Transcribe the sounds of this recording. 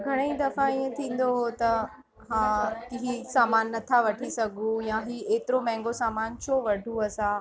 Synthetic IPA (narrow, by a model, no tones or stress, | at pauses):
ɡʱɐɽ̃eĩd̪ɐfãiə̃t̪ʰĩːn̆d̪oɦot̪ɐ | ɦãːkiɦisaːmaːnːɐt̪ʰaʋɐʈʰisɐɡʱũjãɦiːeːt̪ɪɾomɛ̃ːŋɡosaːmaːnt͡ɕʰoːʋɐɖʱuɐsã